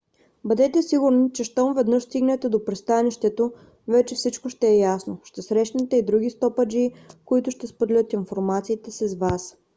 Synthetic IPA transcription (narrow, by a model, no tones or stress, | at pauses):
bɐd̪ɛt̪ɛsiɡʊɾnit͡ʃɛʃt̪ɔmvɛd̪nɤʃst̪iɡnɛt̪ɛd̪opɾist̪aniʃt̪ɛt̪o | vɛt͡ʃɛfsit͡ʃkoʃt̪ɛːjasnoʃt̪ɛsɾɛʃnɛt̪ɛid̪ɾuɡ̟ist̪ɔpəd͡ʒikoit̪ʊʃt̪ɛspod̪ɛlʲɤt̪infoɾmat̪siːt̪ɛsizvas